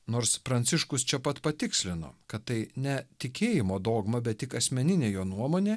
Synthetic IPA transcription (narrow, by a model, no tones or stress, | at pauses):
noːɾspɾɐnʲt̪sʲɪʃkʊst͡ʃʲɛpɐt̪pɐt̪ʲɪksʲlʲɪno̰ːkɐt̪t̪ːɐɪnʲɛt̪ʲɪkʲeːjɪmoːd̪oːɡmɐbʲɛt̪tʲɪkɐsʲmʲɛnʲɪnʲeːjoːnuɔmoːnʲeː